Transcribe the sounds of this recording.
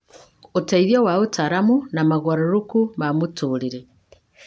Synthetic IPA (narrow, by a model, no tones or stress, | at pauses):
otaiðjowaotaɾamunamaɣwaɾoɾukumamutuɾiɾe